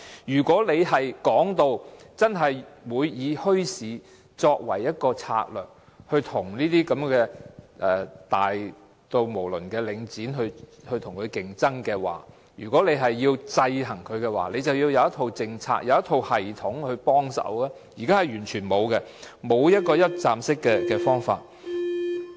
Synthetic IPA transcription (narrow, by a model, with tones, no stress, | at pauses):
jyː˨˩kʷɔː˨˥le˨˧jɦɐ˨jkɔː˨˥ŋt̪o˧wt͡sɐ˥nɦɐ˨jwuː˨˧jːiː˨˧hɵ˥ɥsiː˨˥ | t͡sɔː˧k̚wɐ˨˩jjɐ˥t̚kɔː˧t͡sʰa̰ː˧k̚lœː˨˩k̚ | hɵ˧ɥt̪ʰʊ˨˩ŋniː˥t̪iː˥kɐ˨˥mkɛː˧ʔɛː˨t̪aː˨˩j | t̪o˧wmo˨˩wlɵ˨˩nkɛː˧lɪ˨˧ŋt͡siː˨˥nɦɵ˧hɵ˧t̪ʰʊ˨˩ŋkʰɵ˨˧ɥkɪ˨ŋt͡sɐ˥ŋkɛ˧wa̰ː˨˩ | jyː˨˩kʷɔː˨˥ne˨˧jɦɐ˨jːiː˧wt͡sɐ˧jhɐ˨˩ŋkʰɵ˨˧ɥkɛ˧wa̰ː˨˩le˨˧jt͡sɐ˨wjiː˧wjɐ˧wɐ˥t̪ʰo˧wt͡sɪ˧ŋt͡sʰa̰ː˧k̚jʔɐ˨˧wjɐ˥t̪ʰo˧whɐ˨jt̪ʰʊ˨˥ŋhɵ˧ɥpɔː˥ŋsɐ̰˨˥wlɛː˥ | jiː˨˩kaː˥hɐ˨jɥyː˨˩nt͡ʃʰyː˨˩nmo˨˧wkɛ˧ | mo˨˧wjɐ˥t̚kɔː˧jɐ˥t̚t͡saː˧msɪ˥kːɛː˧kɛː˧fɔː˥ŋfa̰ː˧t̚